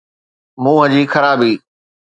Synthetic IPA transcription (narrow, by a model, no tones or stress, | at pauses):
mũːɦə̃d͡ʑiːxəɾaːbiː